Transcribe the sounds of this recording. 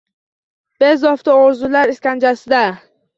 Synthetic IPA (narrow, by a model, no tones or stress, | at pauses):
b̥ezɒft̪aoɾzulaɾɪskʲand͡ʒasɪd̪a